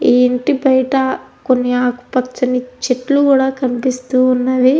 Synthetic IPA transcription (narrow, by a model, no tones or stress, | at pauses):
eːɳʈibɐjɐʈɐkonːiaːku̥pɐt͡ʃːɐnit͡ʃeʈlukuːɽaːkɐnipist̪uːnːaːʋi